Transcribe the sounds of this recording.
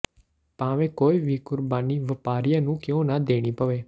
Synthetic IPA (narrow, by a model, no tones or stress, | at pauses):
paːʋẽːkoːiʋiːkʊɾbaːniːʋəpaːɾijãnũːkeõnad̪eːɽ̃iːpəʋeː